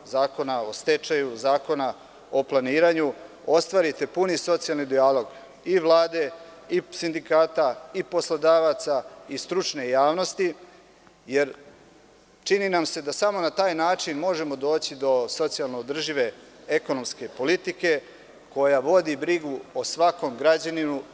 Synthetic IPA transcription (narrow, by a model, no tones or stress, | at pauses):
zaːko̞nao̞st̪et͡ʃajuzaːko̞na | o̞plˠaniːɾaɲu | o̞st̪ʋaːɾit̪e̞puniso̞t̪sialˠnid̪ialo̞ɡ | iʋlˠaːd̪e̞ | isind̪ikaːt̪aipo̞slod̪aʋat̪saist̪ɾut͡ʂne̞jaːʋno̞st̪i | je̞ɾ | t͡ʃininamse̞d̪asamo̞nat̪aːjnaːt͡ʃinmo̞ʒe̞mo̞d̪o̞ːt͡ɕid̪o̞so̞t̪sijalˠnoːd̪r̩ʒiʋe̞ | eko̞no̞mske̞po̞lit̪ike̞ | ko̞jaʋo̞d̪ibɾiɡuosʋako̞mɡɾad͡ʑaninu